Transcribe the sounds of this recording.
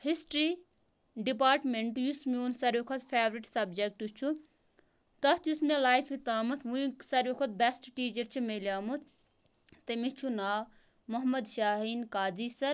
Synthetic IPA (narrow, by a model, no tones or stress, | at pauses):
hisʈɾi | ɖipaːɾʈmeɳʈjusmiuːnsɐɾjokʰɐt̪pʰeːʋɾiʈsɐbd͡ʒek̚ʈut͡ʃʰu | t̪ɐt̪jusmelaːjfʰit̪aːmut̪ʰʋuĩsɐɾjokʰɐt̪̚besʈʈiːt͡ʃɐɾt͡ʃʰimelʲjaːmut̪ʰː | ɐmit͡ʃʰunaː | mɐɦmɐd̪ʃaːɦiːnkaːd͡ziːsɐɾ